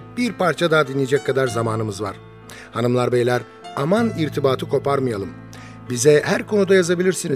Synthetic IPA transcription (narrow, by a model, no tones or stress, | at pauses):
b̥iɾpaɾt͡ʃʰad̪ad̪inːʲid͡ʒɛkkʰːad̪aɾzamaːnɯmɯzva̰ɾ̥ | hanɯmlˠaɾbejlʲæɾ | amaniɾt̪ʰibaːt̪ʰɯkʰo̞pʰaɾmɯjalˠɯm | bizɛhæɾkʰo̞nud̪ajazabilʲiɾsiniz